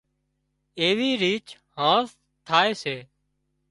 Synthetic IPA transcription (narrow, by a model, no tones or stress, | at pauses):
eːʋiːɾiːt͡ʃ | hãːs | t̪ʰaːeːseː